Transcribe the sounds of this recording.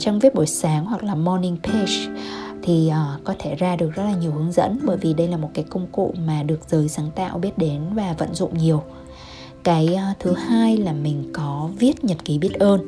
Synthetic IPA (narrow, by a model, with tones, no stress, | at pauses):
t͡ɕɔ˧wŋ͡mvi˦˥ət̚ɓu˧˩jsaː˨˦ŋhwa˨˩k̚laː˨˩mɔ˧nï˧ŋpʰe˧st̪ʰi˨˩ʔːkɔ˨˦t̪ʰe˧˩zaː˧ɗɨ˨˩ək̚z̥ə˦˥t̚laː˨˩ɲi˨˩əwhɨ˨˦əŋzə̰˧˥nɓəː˧˩jvi˨˩ɗə˧jlaː˨˩mo˨˩t̚kaː˨˦jkə˧wŋ͡mkṵ˧˨maː˨˩ɗɨ˨˩ək̚z̥əː˨˦jsaː˨˦ŋt̪a̰ː˧˨wɓi˦˥ət̚ɗe˨˦nvaː˨˩və̰˧˨nzʊ̰˧˨ŋ͡mɲi˨˩əw | kaː˨˦jʔːt̪ʰɨ˨˦haː˧jlaː˨˩mï˨˩ŋ̟kɔ˨˦vi˦˥ət̚ɲə˨˩t̚ki˨˦ɓi˦˥ət̚ʔəː˧n